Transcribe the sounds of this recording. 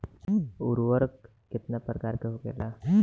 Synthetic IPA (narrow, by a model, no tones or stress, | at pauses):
uɾʋəɾk | kit̪napɾəkaɾkeɦokḛla